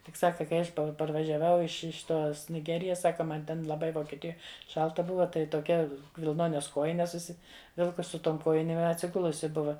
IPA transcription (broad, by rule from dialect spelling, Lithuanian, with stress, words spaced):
tʲɪk ˈsɑːkɐ kɐɪ ˈɐʃ pɐrʋɐʒʲɛˈʋɐʊ ɪʃ ɪʃ ˈtoːs nʲɪˈɡʲæːrʲɪjɛs ˈsɑːkɐ ˈmɐn tʲɛn lˠɐˈbɐɪ ʋoːkʲiɛˈtʲɪjoːj ˈʃɐlˠtɐ ˈbʊʋɐ tɐɪ toːˈkʲɛ ʋʲɪlˠˈnoːnʲɛs ˈkoːjɪnʲɛs ʊʃʲsʲɪˈʋʲɪlˠkʊs sʊ ˈtoːm ˈkoːjɪnʲeːm ɪ ɐtʲsʲɪˈɡʊlˠʊsʲɪ ˈbʊʋɐ